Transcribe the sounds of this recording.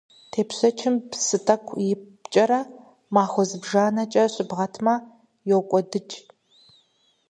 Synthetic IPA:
tʰeːpɕɐt͡ʃʰɪmpsɨtʰʼɐkʷʰʼjɪp | t͡ʃʼɐɾɐ | maːxʷɔzɨbʒaːnɐt͡ʃʼɐɕʷʼɪbʁɐtʰmɐ | jowkʷʼɔdɨt͡ʃʼ

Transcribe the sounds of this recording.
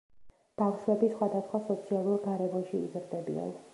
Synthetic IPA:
b̥afʃwɛbisχwad̪asχwasɔt̪sʰialˠuɾɡaɾɛvɔnʃiːzɾd̪ɛbḭa̰n

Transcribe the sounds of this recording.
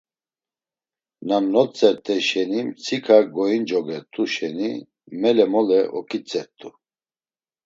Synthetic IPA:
namnɔt͡sʼɛɾt̪ʰʼɛʃɛnimt͡sʰikʰaɡɔind͡ʒɔɡɛt̪ʼuʃɛni | mɛlɛmɔlɛʔɔkʼit͡sʼɛɾt̪ʼu

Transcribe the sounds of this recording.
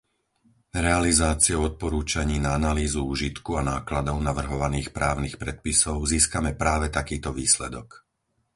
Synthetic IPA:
ɾɛalizaːt͡siɛʊɔt̪̚pɔɾuːt͡ʃaɲiːnaanaliːzuuːʒit̪kuanaːklad̪ɔʊnaʋr̩ɦɔʋaniːxpɾaːʊniːxpɾɛt̪̚pisɔʊziːskamɛpɾaːʋɛt̪akiːt̪ɔʋiːslɛd̪ɔk

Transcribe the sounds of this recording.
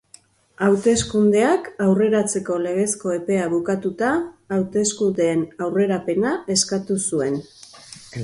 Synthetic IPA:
awt̪e̞skund̪e̞akawre̞ɾat͡se̞ko̞le̞ɣ̞e̞sko̞e̞pe̞aβukat̪ut̪aːwt̪e̞skund̪e̞ːnawre̞ɾape̞nae̞skat̪usue̞n

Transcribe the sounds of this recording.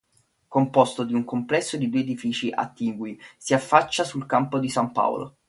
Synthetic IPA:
kompost̪od̪iuŋkomplɛsːod̪id̪uːeed̪ifiːt͡ʃiʔa̰t̪ːiŋɡwisiafːat͡ʃːasulkampod̪isampa̰w̰lo̰

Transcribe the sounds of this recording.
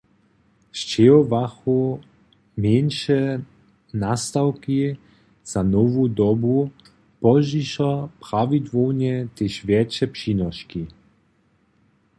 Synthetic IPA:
ʃt͡ʃɛɔvaxu | menʃɛ | nast̪awki | z̥anɔvud̪ɔbu | pɔʒiʃɔpɾavid̪vɔwnɛt̪eʃvjɛt͡ʃɛpʃinɔʃki

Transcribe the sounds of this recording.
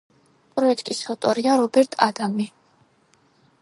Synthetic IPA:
pʼɾɔɛt̪ʰʼkʼisɔt̪ʼɔɾiaɾɔbɛɾt̪ʼad̪ami

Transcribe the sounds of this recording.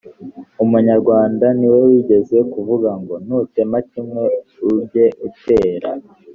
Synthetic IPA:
umuɲaɾɡwaːndaniwe̞wiɟe̞ze̞kuvuɡaŋɡo̞nute̞macimŋwe̞fubje̞ʔute̞ːɾa̰

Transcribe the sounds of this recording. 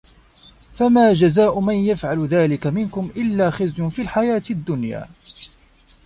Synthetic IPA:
famaːd͡ʒazaːʔʊmanjafʕalðaːlɪkamɪnkʊmʔɪlːaːxɪzjʊnfiːlħajaːt̪ɪd̪ːʊnja̰ː

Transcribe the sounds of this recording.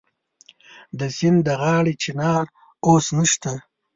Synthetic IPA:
d̪əsɪnd̪əɣɑːɽit͡ʃinɑːɾ | osnəʃt̪a

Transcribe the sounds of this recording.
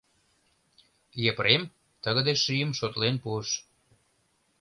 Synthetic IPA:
jepɾem | t̪əɣə̆d̪eʃijəmʃot̪lenpuəʃ

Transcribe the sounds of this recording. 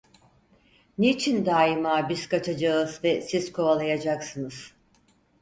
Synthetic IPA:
neit͡ʃʰind̪aːimaːbiz̥kat͡ʃʰad͡ʒaɯzvɛsizkʰoalˠajad͡ʒaksɯnɯz̥

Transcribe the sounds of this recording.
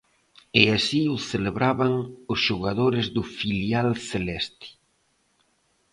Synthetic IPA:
ɪasiʊθeleβɾaβaŋʊsʃoɣaðoɾɪzðʊfiljalθelɛst̪i̥

